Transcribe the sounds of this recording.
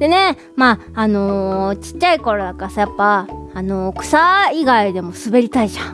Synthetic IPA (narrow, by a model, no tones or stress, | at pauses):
d̪̥e̞ne̞ | maːno̞t͡ɕi̥t͡ɕt͡ɕːaiko̞ɾo̞d̪akasajapːaːno̞kɯ̟̥saiɡaid̪e̞mo̞sɨbe̞ɾʲit̪aiʑã